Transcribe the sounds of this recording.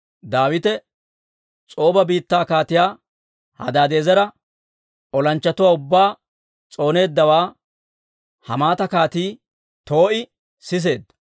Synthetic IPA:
d̪aːwɪt̪ɛ | t͡sʼo̞ːbɐbiːt̪ːaːkaːt̪ɪjaː | hɐ̰d̪aːd̪e̞ːzɐɾɐ | ɔlɐnt͡ʃːɐt̪ʊwaːʊbːaː | t͡sʼo̞ːne̞ːd̪ːɐwaː | hɐmaːt̪ɐkaːt̪iː | t̪o̞ːʔɪ | sɪs̬e̞ːd̪ːɐ

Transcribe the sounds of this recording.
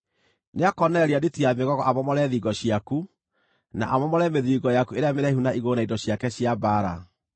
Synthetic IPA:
neakɔnɛɾeadetiameɣɔɣɔʔamɔmɔɾɛðiɡɔɕiaku | na̰ʔamɔmɔɾɛmeðiːɣɔjakueɾeameɾɛiɦunaiɣonaindɔɕjakɛɕiabaːɾa

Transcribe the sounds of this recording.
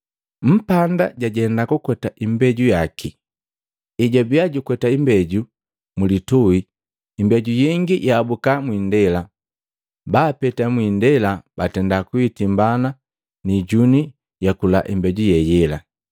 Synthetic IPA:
m̩panda̰ɟaɟɛndakukwɛtaʔimbɛɟujakʰi | iɟabiaɟukwɛtaimbɛɟu | mulitui | imbɛɟujiŋɡijʔaːbukamwindɛla | baːpɛtamwindɛlabatɛndakuitimbana | niɟuni | jakula̰ʔimbɛɟujɛjɛla̰

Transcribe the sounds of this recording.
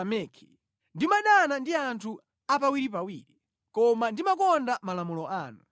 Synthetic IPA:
amɛːkʰi̥ | ndimaɗanandiantʰu | ap̬awiɾip̬awiːɾi | kɔmandimakɔndamalamulɔʔaːnu

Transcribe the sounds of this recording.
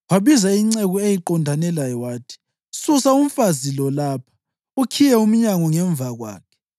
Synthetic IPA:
waβizaiŋ͡ǀeɣuejiǃɔndʱanɛlajɔwaːtʰi̥ | susaum̩fazilɔlaːpʰḁ | ukʰijɛum̩ɲaŋɔŋɛɱb̪vʱaɣwa̰ːkʰɛ̥

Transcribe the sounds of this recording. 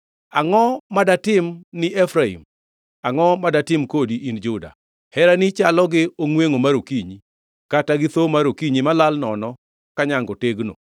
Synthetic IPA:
aŋɔmadatɪmnɪʔɛfɾaḭm | aŋɔmadatɪmkodiʔind͡ʒʊda̰ | hɛɾanɪt͡ʃalɔɡɪoŋweŋomaɾokiɲi | kataɡɪt̪omaɾokiɲimalalnɔnɔ | kaɲaŋɡɔteɡno̰

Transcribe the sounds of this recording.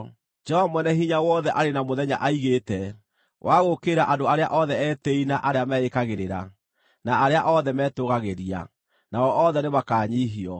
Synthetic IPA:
d͡ʒɔɔmwɛnɛɦiɲawɔðɛʔaɾenamoðɛɲa̰ʔaiɣetɛ | wʔaɣokeɾaʔadoaɾea̰ʔɔðɛɛːtɛinaʔaɾeamɛekaɣeɾeɾa̰ | naːɾeaʔɔðɛmɛːtoɣaɣeɾia̰ | naɔʔɔðɛnemakaːɲiɦiɔ

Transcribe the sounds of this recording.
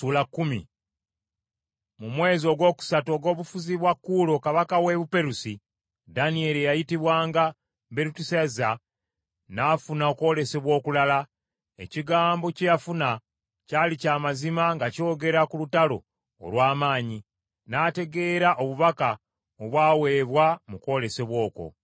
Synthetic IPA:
ulakːumḭ | mumwe̞ːzio̞ɡwo̞ːku̥sato̞ɡo̞ːβufuziβwakːuːlo̞kaβakawe̞ːβupe̞ɾusi | danie̞lijajitiβwaːŋɡa | be̞ɾutusaza | naːfunao̞kwo̞le̞se̞βwo̞ːkulala | e̞̰ciɡaːmbo̞cejafuna | calicaːmazimaŋɡaco̞ːɡe̞ɾakulutalo̞̰ː | lwaːmaːɲi | naːte̞ɡe̞ːɾaʔo̞βuβaka | oβwaːwe̞ːβwamuko̞ːle̞se̞βwo̞ːko̞̰

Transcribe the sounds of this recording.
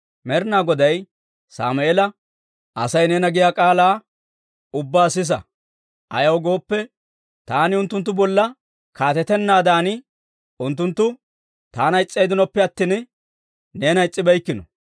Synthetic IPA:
mɛɾnaːɡɔd̪ɐj | sa̰ːmʊeːlɐ | ʔɐsɐjneːnɐɡɪjaːkʼaːlaː | ʊbːaːsɪs̬ɐ̰ | ʔɐ̰jɐwɡo̞ːpːɛ | t̪aːnɪʊnt̪ːʊnt̪ːʊbɔlːɐ | kaːt̪ɛt̪ɛnːaːd̪aːnɪ | ʊnt̪ːʊnt̪ːʊ | t̪aːnɐɪt͡sʼːejd̪ɪnɔpːɛɐt̪ːɪn | ne̞ːnɐɪt͡sʼːɪbɐjkːɪnɔ

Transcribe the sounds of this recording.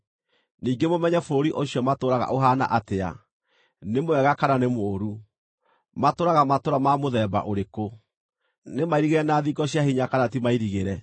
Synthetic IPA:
niːɡemomɛɲɛfoɾiʔoɕjɔmatoɾaɣa̰ʔoɦana̰ʔatea̰ | nemoɛɣakananemoːɾu | matoɾaɣamatoɾamamoðɛːba̰ʔoɾeko | nemaiɾiɣɛɛnaðiɡɔɕjahiɲakanat̬imaiɾiɣeɾɛ

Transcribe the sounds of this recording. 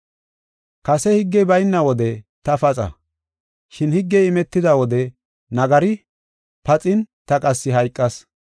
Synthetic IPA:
kɐsɛhɪɡːɛbɐjnːɐwɔd̪ɛt̪ɐfɐt͡sʼɐ̰ | ʃɪnhɪɡːɛɪmɛt̪ːɪd̪ɐwɔd̪ɛ | nɐɡɐɾɪ | pɐt͡sʼɪnt̪ɐkʼɐsːɪɦɐjkʼːɐs

